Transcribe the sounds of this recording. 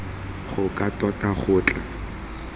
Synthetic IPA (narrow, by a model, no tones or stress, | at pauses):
χʊkʼatɔtʼaχʊːt͡ɬʼa